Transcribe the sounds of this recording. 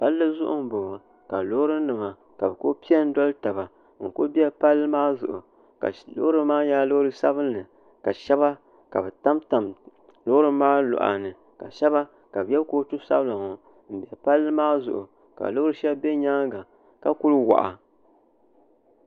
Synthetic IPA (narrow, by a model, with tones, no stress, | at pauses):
pa˦lːɨ˦zʊ˦ʔʊ̰˦m̩˨bo˨a˨ | ka˨lo˦hɾɨ˦nɨ˨ma˨ | ka˨bɛ˨ko˦pi˦a˦n̩˦dɔ˦lɨ˦ta˨βa˨ | ŋ̩˨ko˦bi˦a˦pa˦lːɨ˦maː˦zʊ̰˨ʔʊ˨ | ka̰˨lo̰˦ɾɨ˦maː˦jaː˦lo˦ɾɨ˦sa˦βɨ˦nː˦ɨ˨ | ka˨ʃɛ˦βa˦ | ka˨bɛ˨ta˦mta˨m | lo˦ʊ˦ɾɨ˦maː˦lʊ̰˨ʔa̰˨nɨ˨ | ka̰˨ʃɛ˦βa˦ | ka˨bjɛ˦koː˦tu˦sa̰˦bla˨ŋo˨ | m̩˨bɛ˨pa˦lːɨ˦maː˦zʊ˨ʔʊ̰˨ | ka̰˨lo˦hʊ˦ɾɨ˦ʃɛ˦bbe˦ɲa˦ŋɡa˨ | ka˦ku˦lwa̰˨ʔa̰˨